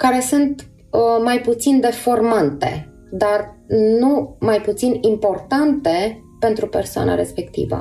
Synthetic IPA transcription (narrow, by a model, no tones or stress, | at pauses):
kaɾe̞sunt̪ | majput̪sind̪e̞fo̞rmant̪e̞̰ | d̪arnumajput̪sinimpo̞rt̪ant̪e̞ | pe̞nt̪ɾupe̞rsoa̰na̰ɾe̞spe̞kt̪ḭvə̰